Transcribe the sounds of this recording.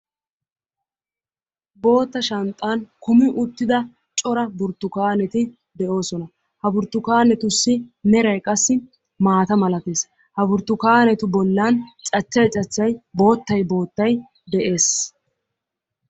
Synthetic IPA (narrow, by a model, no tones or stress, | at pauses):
bo̞ːt̪ːɐʃɐnt̪ʼːaːnkʊmɪʔʊt̪ːɪd̪ɐ | t͡ʃʼɔɾɐbʊɾt̪ːʊkaːnɛt̪ɪ | d̪ɛʔo̞ːsɔnɐ | hɐbʊɾt̪ːʊkaːnɛt̪ʊsːɪmɛɾɐjkʼɐsːɪ | maːt̪ɐmɐlɐt̪eːs | hɐbʊɾt̪ːʊkaːnɛt̪ʊbɔlːant͡ʃʼɐt͡ʃːɐjt͡ʃʼɐt͡ʃːɐjbo̞ːt̪ːɐjbo̞ːt̪ːɐj | d̪ɛʔe̞ːs